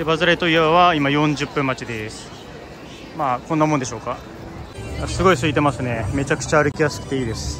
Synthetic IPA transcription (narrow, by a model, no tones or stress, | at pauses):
d̪ebazɨɾait̪o̞iebaβaimajõ̞ɲd͡ʑɨpːɯ̟̃mːat͡ɕid̪esɨ̥ | maːkonːamond̪e̞ɕoːka | jasɨɡo̞isɨit̪̬e̞masɨne̞me̞t͡ɕakɯ̥t͡ɕaːɾɯ̟kʲijasɨ̥kɯ̟̥t̪eiːd̪e̞sɨ̥